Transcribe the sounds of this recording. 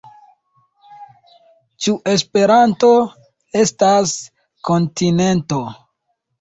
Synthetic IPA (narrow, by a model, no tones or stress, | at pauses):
t͡ʃuʔe̞s̬pe̞ɾanto̞ | e̞stas | ko̞ntine̞nto̞